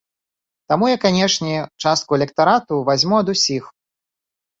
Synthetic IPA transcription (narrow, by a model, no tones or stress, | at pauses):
t̪amujakːanʲɛʂnʲɛt͡ʂast̪kuɛlʲɛkt̪aɾat̪uvazʲmuɐd̪usʲix